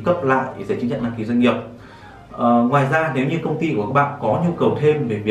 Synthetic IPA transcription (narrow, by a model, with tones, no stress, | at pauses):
kə˦˥p̚la̰ː˧˨jze˧˩t͡ɕ̟t͡ɕə̰˧˨nɗaː˧ŋki˨˦zwə˧jŋ̟ŋi˨˩əp̚ː | ŋwaː˨˩jzaː˧ne˨˦wɲɨ˧kə˧wŋ͡mt̪i˧ku˨˩˨ka˦˥ɓa̰ː˧˨nkɔ˨˦ɲu˧kə˨˩wt̪ʰe˧mve˨˩vi˨˩